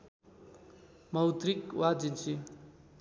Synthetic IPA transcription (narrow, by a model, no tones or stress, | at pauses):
mʌwt̪rikwad͡zint͡si